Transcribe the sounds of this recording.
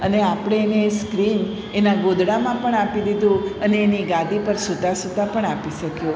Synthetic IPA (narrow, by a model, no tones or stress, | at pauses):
əneapɽ̃eːneːskɾin | enaɡod̪ɽamãpəɳapid̪id̪ũəneːniɡãd̪ʱipəɾsut̪asut̪apəɳapiʃəkjũ